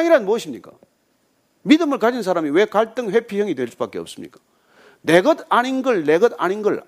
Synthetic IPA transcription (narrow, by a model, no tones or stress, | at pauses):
ŋiɾanmuʌɕʰimɲik͈a̰ | midɯmɯɭkad͡ʑinsʰaɾamiwe̞kaɭt͈ɯŋɸwe̞pʰijʌŋitwe̞ɭs͈ubak͈e̞ʌ̰p̚s͈ɯmɲḭk͈ḁ | ne̞ɡʌdaninɡɯɭne̞ɡʌda̰ninɡɯɭ